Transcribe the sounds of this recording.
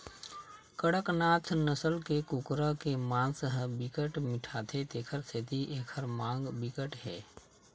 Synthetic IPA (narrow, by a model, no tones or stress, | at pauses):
kəɽəknaːt̪ʰnəsəlkekʊkɾəkemãːnsəɦə̃bɪkəʈmɪʈʰaːt̪ʰet̪eːkʰəɾset̪iʔeːkʰəɾmãːŋɡbɪkəʈɦɛ̰ː